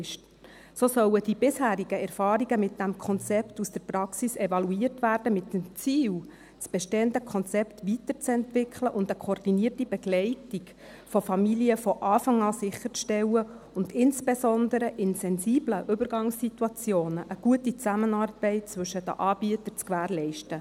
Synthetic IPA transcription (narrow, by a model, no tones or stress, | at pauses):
soːsœwəd̥ibɪshæːɾiɡ̥əɛrfɑːɾiɡəmɪt̚d̥æmkʰɔnt͡sɛptusd̥əɾprɑksisɛvɑluiːərtʋæːrd̥əmɪtːəmt͡siːw | sb̥ɛʃteːəndəkʰɔnt͡sɛptʋitəɾt͡sɛntvɪkʰləʔʊndəkʰoːrd̥iniːərtib̥ɛɡlɛɪtik | fɔfɑmiliəfɔʔɑːfɑŋɑːsɪχːəɾt͡sʃtɛwə | ʊndɪnsb̥esɔndəɾəʔɪnsɛnsiːbləʔʏbəɾɡɑŋssituɑt͡sjoːnəʔəɡ̥uətit͡sæmənɑːrb̥ɛɪt̚t͡sʋɵʃədə̰ʔɑːb̥iətəɾt͡skʋæːɾlɛɪʃtə